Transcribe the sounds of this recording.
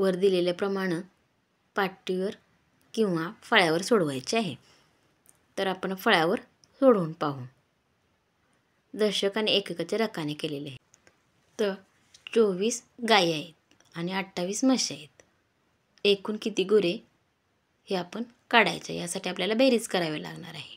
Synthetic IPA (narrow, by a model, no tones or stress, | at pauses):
ʋəɾd̪ileljapɾəmaɽ̃ə | paɾʈiʋəɾ | kĩw̃ʋafəɭjaʋəɾsoɽʋajt͡ɕeaɦe | t̪əɾapəɳfəɭjaʋəɾ | soɽuːnpaɦuːn | d̪əɾɕəkañiekəkat͡ɕeɾəkanekeleleaɦe | t̪ə | t͡soʋiːsɡajaɦet̪̚ | añiaʈʈʰːaʋiːsməɕaɦet̪ | ekuːnkit̪iːɡuɾe | heapəɳ | kaɽa̰jt͡sə̰jasaʈʰiapljalabəɾiːt͡skəɾaʋela̰ɡɳa̰ɾaɦe